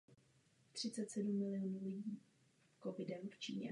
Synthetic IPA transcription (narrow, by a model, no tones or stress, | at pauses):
t̪r̥ɪtt͡sɛt̪sɛdumːɪlɪonuːlɪɟiː | kovɪdɛmft͡ʃḭːɲɛ̰